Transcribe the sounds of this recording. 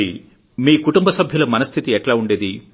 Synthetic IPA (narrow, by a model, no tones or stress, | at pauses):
i | miːkuʈumbɐsɐbʱjɐlɐmɐnɐst̪ʰit̪iɛʈlaːuɳɖeːd̪i